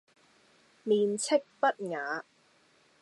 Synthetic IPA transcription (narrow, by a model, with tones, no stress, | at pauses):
miː˨nt͡sʰɪ˥k̚pɐ˦˥t̚ŋaː˨˦